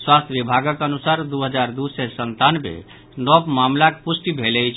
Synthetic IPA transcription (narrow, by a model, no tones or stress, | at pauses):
swast̪ʰbibʱaɡəkənusaɾd̪uɦəd͡ʒaɾd̪usɛsənt̪anmḛ | nɔbmamlakpusʈibʱelɛjt͡ʃʰ